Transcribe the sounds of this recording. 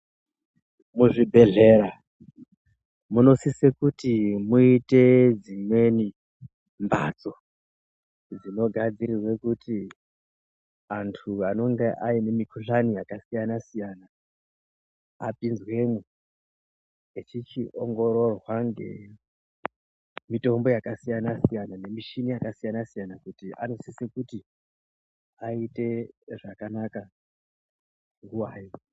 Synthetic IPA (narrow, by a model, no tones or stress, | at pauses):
muʐibʱe̞ɮe̞ɾa | muno̞sisekutimuite̞d͡zimwe̞ni | mba̰t͡so̞ | d͡zino̞ɡʱad͡ziɾirwe̞kuti | antʰuano̞ŋɡeʔaine̞mikuɬanijakasijanasijana | a̰pinzwe̞mu | et͡ʃit͡ʃiʔoŋɡo̞ɾo̞rwaŋɡe̞̰ | mito̞mbo̞jakasijanasijanane̞miʃinijakasijanasijanakutiʔa̰no̞sisekuti | aite̞ʐakanaka | ŋɡuwaːjo